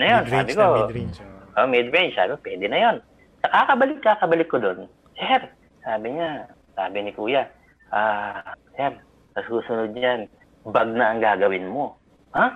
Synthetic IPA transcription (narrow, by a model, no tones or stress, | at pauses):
nɐjonsaːbɪko | ʔomɛd̪ɹɛnsa̰ːbɪkopwɛːd̪ɛnɐjo̞n | sɐkakɐbɐlɪkːakɐbɐlɪkːod̪o̞n | sɛɾ | saːbɪɲa | sa̰ːbɪnɪkuːja | ʔaːsɛɾ | sɐsuːsʊnʊd̪̚ɲan | bɐɡ̚naʔɐŋɡaːɡɐwɪnmo̞ | ha